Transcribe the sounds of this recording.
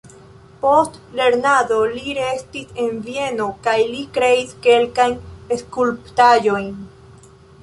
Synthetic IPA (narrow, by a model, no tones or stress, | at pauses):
post̪le̞ɾnaðoliɾest̪isenvje̞nokajlikɾe̞iske̞lkajneskulpt̪ajojn